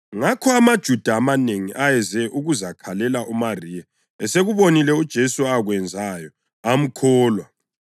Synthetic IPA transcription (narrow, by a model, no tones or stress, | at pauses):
ŋakʰɔamad̥ʒ̥ʱud̥ʱaːmaneŋiʔajɛzɛʔuɣuzakʰalɛlaʔumariːja | ɛseɣuβonilɛud̥ʒ̥ʱesuaɣwɛnd͡zʱajɔ | am̩kʰɔːlwa